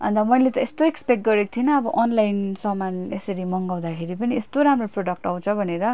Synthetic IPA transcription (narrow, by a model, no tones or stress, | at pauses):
ʌ̰nt̪ʌmʌjlet̪ʌest̪oekspekʈ̚ɡʌɾekt̪ʰienʌːbʌʔɔnlajnsʌmanesʌɾimʌŋɡaw̃d̪akʰeɾipʌniest̪oɾamroproɽʌk̚ʈʌw̃t͡sʰʌbʱʌneɾʌ